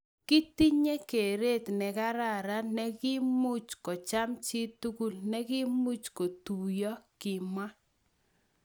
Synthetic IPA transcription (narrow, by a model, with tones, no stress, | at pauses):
ki˦ti˦ɲe˦ke˨ɾe˦˨tnɛ˨ka˦ɾa˦˨ɾa˦nɛ˦kɪ˦mu˦t͡ʃkɔ˨t͡ʃa˦mt͡ʃi˦tu˦ku˦lnɛ˦kɪ˦mu˦t͡ʃko˨tu˨jɔ˦kɪ˨ma˦